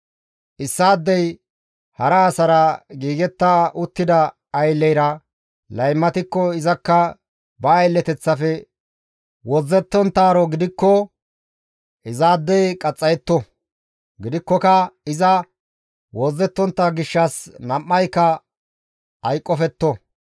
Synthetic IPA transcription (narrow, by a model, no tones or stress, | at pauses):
ʔɪsːaːd̪ːɛj | hɐɾɐːsɐɾɐɡiːɡɛt̪ːaʔʊt̪ːɪd̪ɐː | jlːɛjɾɐ | lɐjmːɐt̪ɪkːɔɪzɐkːɐ | bɐːjlːɛt̪ɛt͡sːɐfɛ | wɔzːɛt̪ːɔnt̪ːaːɾɔɡɪd̪ɪkːɔ | ʔɪzaːd̪ːɛjkʼɐt͡sʼːɐjɛt̪ːɔ | ɡɪd̪ɪkːɔkɐɪzɐ | wɔzːɛt̪ːɔnt̪ːɐɡɪʃːɐsnɐmːɐjkːɐ | ɐjkʼːɔfɛt̪ːɔ